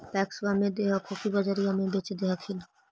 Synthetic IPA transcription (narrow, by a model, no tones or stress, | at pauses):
pɛːksʋamẽd̪eːɦakʰokibɐd͡ʒəɾijãmẽbeːt͡ʃd̪eɦakʰɪl